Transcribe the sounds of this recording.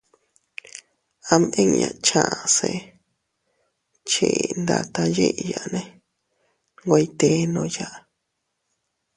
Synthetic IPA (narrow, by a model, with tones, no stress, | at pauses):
a˧mʔẽ˦ŋɲã̰˨˧t͡ʃã˧˨ʔa˧˨se˧ | t͡ʃe˨˧nd̪a˧t̪a˧je˦ʔja˨˧nẽ˧ | ŋɡʷa˧i˦t̪e˧˦nõ˧˦ja˦ʔ